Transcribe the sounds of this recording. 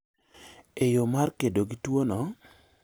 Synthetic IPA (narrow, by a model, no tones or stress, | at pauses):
ejomarkedoɡitwonɔ